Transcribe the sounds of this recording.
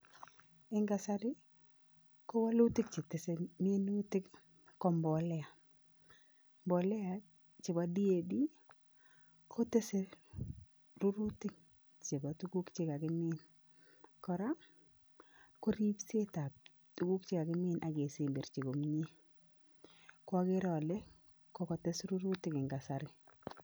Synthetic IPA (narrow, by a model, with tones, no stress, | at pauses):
ɪ˦ŋɡa˨sa˦ɾɪ˦ | kɔ˦wa˦lu˦tɪ˦kt͡ʃɪ˨te˨se˨m˦n˦tɪ˦k | kɔ˨mbɔ˨lɛ˦a˨ | mbɔ˨lɛ˦a˨ | t͡ʃɪ˨ba˨di˦e˦di˦ | kʰo˦te˦se˦ | ɾu˦ɾu˦tɪ˦k | t͡ʃi˨ba˨tu˦ɡu˦kt͡ʃɪ˦ka˨kɪ˦mɪ˦n | kɔ˨ɾa˦ | ko˦ɾi˦pse˦ta˨p̚ | tu˦ɡu˦kt͡ʃɪ˦ka˨kɪ˦mɪ˦nʔa˨ɡe˨se˨mbe˨ɾt͡ʃi˨ɡo˨mɲi˦ | kwɔ˦ɡɪ˦ɾɔ˨le˦ | kɔ˦kɔ˨te˦sɾu˦ɾu˦tɪ˦kɪ˨ŋɡa˨sa˨ɾɪ˦